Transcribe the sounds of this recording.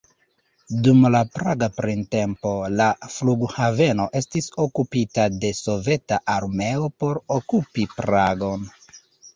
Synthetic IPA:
dumlapɾaɡapɾinte̞mpo̞lafluɡhave̞no̞ʔe̞stiso̞kupitade̞so̞ve̞taʔaɾme̞opo̞ɾokupipɾaɡo̞n

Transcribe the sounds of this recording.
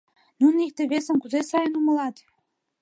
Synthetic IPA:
nunik̚t̪eβesə̆mkuzesɑjənumə̆lɑt̪

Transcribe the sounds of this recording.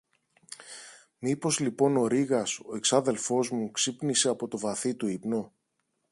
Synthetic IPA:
mipo̞zlipo̞no̞ɾiɣɐso̞e̞ksɐðe̞lfo̞zmuksipnise̞ɐpo̞t̪o̞vɐθit̪uipno̞

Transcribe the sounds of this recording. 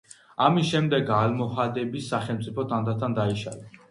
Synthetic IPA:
amisʃɛmd̪ɛɡalmɔhad̪ɛbisːaχɛlmt̪sʼipʰɔt̪ʰʼand̪at̪ʰand̪aiʃa̰la

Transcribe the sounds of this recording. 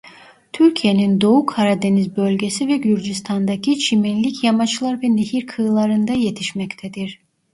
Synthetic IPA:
t̪ʰyɾcʰijenind̪o̞ukʰaɾad̪e̞nizbø̞lʲɟe̞sivɛɟyɾd͡ʒyst̪ʰand̪acʰit͡ʃʰiminlʲicjamat͡ʃlˠaɾvɛnehiɾkʰɯːlˠaɾɯnd̪aje̞t̪ʰiʃmɛct̪ʰɛd̪iɾ̥

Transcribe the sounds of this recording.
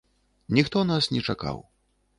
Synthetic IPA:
nʲixt̪ɔnasnʲɛt͡ʂaka̰w

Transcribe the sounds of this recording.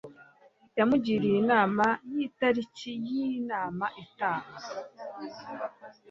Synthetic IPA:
jamuɟiɾijinaːmajitaɾicijinaːmaʔetaːma

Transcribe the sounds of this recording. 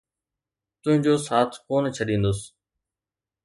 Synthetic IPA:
t̪ʊ̃ɦɪ̃ɲd͡ʑoːsaːt̪ʰkoːnt͡ɕʰəɗĩːnd̪ʊs

